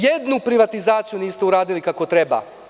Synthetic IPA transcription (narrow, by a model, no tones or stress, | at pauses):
jed̪nupɾiʋat̪izaːt̪sijuniːst̪euɾaːd̪ilikako̞t̪ɾeba̰